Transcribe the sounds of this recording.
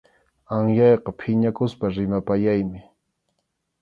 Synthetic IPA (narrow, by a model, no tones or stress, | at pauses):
aŋjɑjqɑpʰɪɲakʊspaɾɪmapajajmɪ